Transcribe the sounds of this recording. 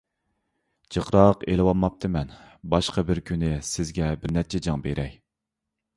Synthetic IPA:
t͡ʃʰəqɾɑqelɪwɑmːɑp̚t̪ʰɨmɛnbɑʃqʰɑbɪɾkʲʰynɪsɪzɡʲɛbɪɾnɛt͡ʃʰɛd͡ʒɑŋbeɾʔɛj

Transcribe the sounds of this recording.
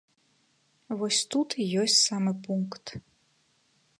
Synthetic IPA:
vɔsʲt̪ut̪ʰijɔsʲtʲsamɨpuŋkt̪

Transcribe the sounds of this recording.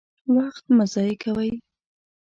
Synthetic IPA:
waxt̪mazɑjekʰawəj

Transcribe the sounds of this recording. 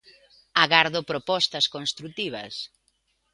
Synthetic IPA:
aɣaɾðopɾopɔst̪ɐskonst̪ɾut̪iβ̞ɐ̰s

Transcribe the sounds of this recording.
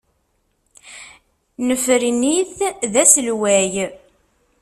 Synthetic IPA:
nəfɾiniθðæsəlwæj

